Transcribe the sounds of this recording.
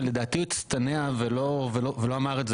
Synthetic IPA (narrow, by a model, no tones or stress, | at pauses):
led̪aːt̪iit̪st̪aneaveloveloveloamaʁez